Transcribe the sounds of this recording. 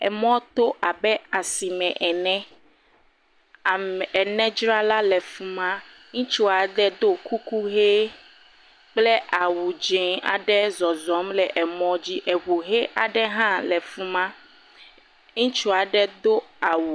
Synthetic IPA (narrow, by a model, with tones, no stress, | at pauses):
ɛ̰˨mɔ̃˦t̪o˦ʔa˨bɛ˦a˨si˨mɛ̃˨ʔɛ˨nɛ̃˦˨ | ɛ˨nɛ̃˦d͡ʒɾa˦la˦lɛ˨fũ˦mã˦ | ŋũ˦t͡ʃu˦a˨ɖɛ˦d̪o˦ku˦ku˦ɦe˦ | k͡ple˦ʔa˨wu˨d͡ʒẽ˨a̰˨ɖɛ˦zɔ˨zɔ˨˦mlɛ˨ʔɛ˨mɔ̃˦d͡ʑi˦ʔɛ˨ɸo˨ɦe˦ʔa˨ɖɛ˦ɦã˦lɛ˨fũ˦mã˦ | ŋũ˦t͡ʃu˦a˨ɖɛ˦d̪o˦a˨wu˨